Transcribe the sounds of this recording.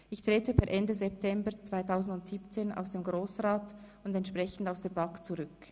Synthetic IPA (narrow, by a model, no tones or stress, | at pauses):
ʔɪçtʁ̥eːtəpɛɾʔɛndəzɛp̚tʰɛmbət͡sv̥aɪtʰaʊzn̩dʊntz̥iːp̚t͡seːnʔa̰ʊsd̥eːmɡʁoːsʁaːtʊndɛntʃpʁ̥ɛçn̩daʊsd̥eːbɑkt͡suʁʏk